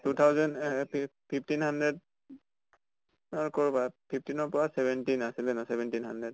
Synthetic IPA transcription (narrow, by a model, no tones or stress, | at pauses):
tut̪ʰawzɔnppʰipʰtinhandɹɛd̚ | ɔɹkɔɹbapʰip̚ʰtinɔɹpɔɹasɛbɛntinasilɛnasɛbɛntinɦandɹɛd